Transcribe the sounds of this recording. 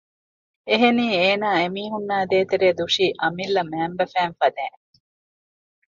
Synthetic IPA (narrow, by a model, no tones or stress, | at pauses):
eɦeniːeːnaːemiːɦunːaːd̪eːt̪eɾeːd̪uʂiːʔɐmilːɐmæːmbɐfæːnfɐd̪æːn